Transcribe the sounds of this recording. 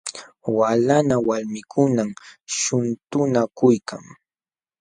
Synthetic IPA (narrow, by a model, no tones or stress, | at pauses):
walanawaɾmɪkʰʊnamʃʊnt̪ʊnakʊjka̰ŋ